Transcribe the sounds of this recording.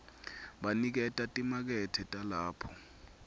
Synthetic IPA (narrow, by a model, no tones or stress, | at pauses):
ɓanik̬ɛtʼatʼimak̬ɛtʰɛtʼalaːpʰɔ̥